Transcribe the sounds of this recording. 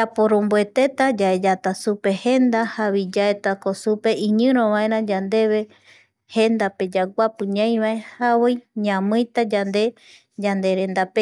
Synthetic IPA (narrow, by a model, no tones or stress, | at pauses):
d͡ʒapoɾõmbue̞t̪e̞t̪ad͡ʒaed͡ʒat̪asupe̞he̞nd̪ahaβid͡ʒaet̪akosupe̞ʔĩɲɨ̃ɾ̃õβãẽɾ̃ãd͡ʒand̪e̞βe̞ | he̞nd̪ape̞d͡ʒaɡʷapɨ̃ɲãj̃βaẽhaβojɲãmɨ̃jt̪ad͡ʒand̪e̞ | d͡ʒand̪e̞ɾẽ̞nd̪ape